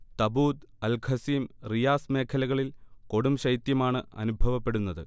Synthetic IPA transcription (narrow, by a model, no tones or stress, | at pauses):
t̪ɐbuːd̪ɐlkʰɐsiːmrijaːsme̞ːkʰɐlɐɣɐɭilko̞ɽumɕɐjt̪jɐmaːɳɨɐ̰nubʱɐʋɐpːe̞ɽunːɐðɨ